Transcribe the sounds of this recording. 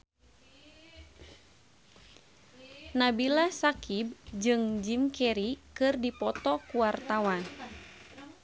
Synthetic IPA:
nabilasakib̚d͡ʒɨŋd͡ʒimkɛɾikɨrdipɔt̪ɔkuwart̪awan

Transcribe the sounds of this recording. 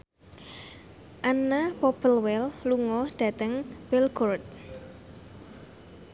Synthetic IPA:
ʔanːapopəlwɛlluŋɔhɖ̪̥a̤t̪əŋb̥ɛlɡɔrt̪̚

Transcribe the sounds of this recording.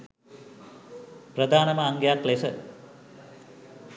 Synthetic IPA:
prɐd̪ʱaːnɐmɐːŋɡjaːklesə

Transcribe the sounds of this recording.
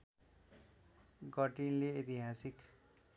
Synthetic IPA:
ɡʌʈinleet̪iɦasik

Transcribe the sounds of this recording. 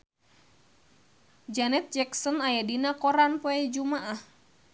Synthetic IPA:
d͡ʒanɛt̪̚d͡ʒɛksɔnajadinakɔɾanpoɛd͡ʒumaʔah

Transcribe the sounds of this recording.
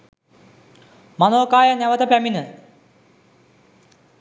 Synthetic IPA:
manoːkaːjanæʋət̪əpæminə

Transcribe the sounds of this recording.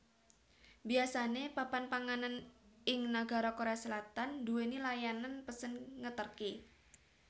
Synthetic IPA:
biasanepapanpaŋananɪŋnaɡa̤ɾɔkoɾeasəlat̪anduwenilajananpəsənŋət̪ərke

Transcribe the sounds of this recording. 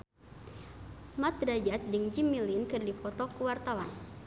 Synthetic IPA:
mat̪̚ɾad͡ʒat̪̚dɨŋd͡ʒimilinkɨrdipɔt̪ɔkuwart̪awan

